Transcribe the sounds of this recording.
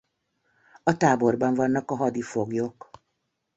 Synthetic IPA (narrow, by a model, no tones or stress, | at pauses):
ɒt̪aːbo̞rbɒɱvɒnːɒkɒɦɒd̪ifoɡjok